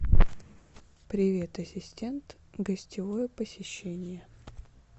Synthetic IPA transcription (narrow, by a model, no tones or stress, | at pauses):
pɾʲɪvʲe̞t̪əsʲɪsʲtʲe̞nt̪ | ɡəsʲtʲɪvojəpəsʲɪɕːenʲɪjə